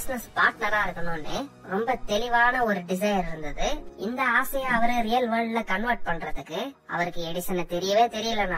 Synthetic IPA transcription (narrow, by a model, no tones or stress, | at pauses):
bɪsnɐspaːɾʈnɐɾãːɪɾɯkːɐnõnɖe | ɾɔmbɐt̪ɛɭɪʋaːnɐɔɾɯɖɪs̬ɐjɐɾɪɾɯnd̪ɐðɯɪnd̪ɐaːsɐjãɐʋɐɾeɾɪjɐlʋɐːɾɖlɐkɐɳʋɐɾʈ̚pɐɳːɾɐðɯkːɯ | ɐ̰ʋɐɾɯkːɯɛɽɪsɐnːɐt̪ɛɾɪjɐʋeːt̪ɛɾɪjɐlːɐnãː